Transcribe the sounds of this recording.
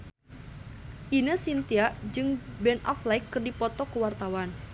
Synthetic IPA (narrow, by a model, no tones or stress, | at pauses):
ʔinəsint̪iaʔd͡ʒɨŋbɛnaklaikːɨrdipɔt̪ɔkəwart̪awan